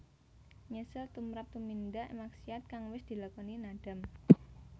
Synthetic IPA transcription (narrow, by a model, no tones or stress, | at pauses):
ɲəsɪlt̪umɾap̚t̪umind̪aʔmaksiat̪̚kaŋwɪsd̪̥i̤lakɔninaɖ̥a̤m